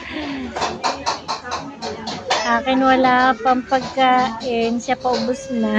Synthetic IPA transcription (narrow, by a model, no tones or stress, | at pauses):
ʔaːkɪnwɐlaːpɐŋpɐɡ̚kaːʔɪnʃapɐʔobʊsna